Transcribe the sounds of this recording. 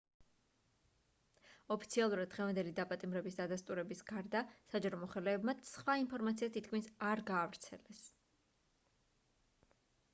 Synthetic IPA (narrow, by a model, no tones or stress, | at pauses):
ɔpʰit̪sʰialˠuɾad̪̚ːʁɛvand̪ɛlid̪apʼat̪ʼimɾɛbisd̪ad̪ast̪ʼuɾɛbisɡaɾd̪asad͡ʒaɾɔmɔχɛlɛːbmat̪sχwainpʰɔɾmat̪siat̪ʰit̪̚ʰkʰminsaɾɡaːvɾt̪sʰɛ̰lɛs